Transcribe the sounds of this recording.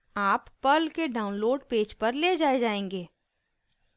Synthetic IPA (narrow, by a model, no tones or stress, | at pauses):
aːpːɐlkeɖaːʊ̃nloːɖpeːd͡ʒpɐɾled͡ʒaːed͡ʒaːẽːŋɡeː